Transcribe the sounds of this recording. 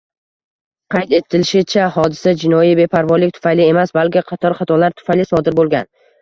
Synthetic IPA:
qʰɑjt̪e̞t̪ʰːɪlɪʃɪt͡ʃʰahɒd̪ɪsad͡ʒɪnɒjibe̞pʰaɾvɒlːɪk̚ʲt̪ʰʊ̥fajlɪe̞masbalˠkʲɪqʰɑt̪ʰɒɾχɑt̪ʰɒlaɾt̪ʰʊ̥fajlɪsɒd̪ɪɾbolˠɡʲan

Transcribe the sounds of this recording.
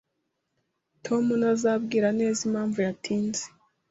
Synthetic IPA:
tʰo̞munazabɡiːɾane̞ːzimaːɱvujatʰiːnze

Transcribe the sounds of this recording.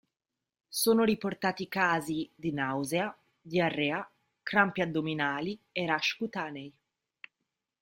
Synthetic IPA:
soːnoɾiport̪aːt̪ikaːzid̪inawzea | d̪iarːea | kɾampjad̪ːominaːlieɾaʃkut̪aːnej

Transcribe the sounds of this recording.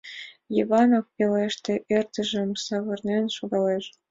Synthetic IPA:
jivɑnofpeleʃt̪ĕʔert̪ə̆ʒə̆msɑβɤ̆rnʲenʲʃoɣɑleʃ

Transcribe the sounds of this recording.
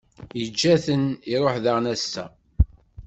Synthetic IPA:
jəd͡ʒːæθəniɾˤoħðaʁnæsːæ̰

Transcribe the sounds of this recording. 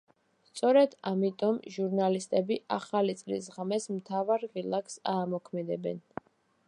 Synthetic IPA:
st̪sʼɔɾɛd̪amit̪ʼɔmʒuɾnalist̪ʼɛbiʔaχalit̪sʼlḭs̬ʁmɛsmt̪ʰavaɾʁilˠaksaːmɔkʰmɛd̪ɛbɛ̰n

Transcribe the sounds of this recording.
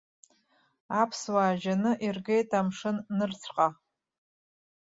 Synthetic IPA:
apʰswaːʒanɨʔirɡejtʰʼamʂɨnːɨrt͡sʰqʼa

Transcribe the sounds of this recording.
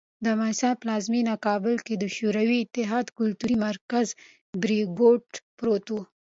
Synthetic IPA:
d̪əmasɑplɑzminakɑbɪlked̪əʃuɾawiɪt̪ːɪɦɑd̪kʊlt̪uɾimaɾkaz | bɾiɡoʈpɾot̪o

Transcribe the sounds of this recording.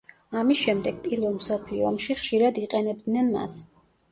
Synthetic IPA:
amisʃɛmd̪ɛɡ̥̚pʼiɾvɛlˠmsɔpʰliɔɔmʃiχʃiɾad̪iqʼɛnɛb̚d̪nɛnma̰s

